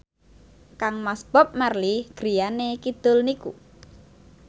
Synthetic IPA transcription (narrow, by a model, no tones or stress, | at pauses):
kaŋmasb̥ɔp̚marliɡ̥ɾijanekid̪̥ʊlnikṵ